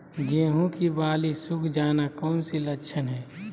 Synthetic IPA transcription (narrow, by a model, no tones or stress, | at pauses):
ɡẽːɦũkibaːlisʊkʰd͡ʒaːnakɔːnsilɐkʃʰənɦɛː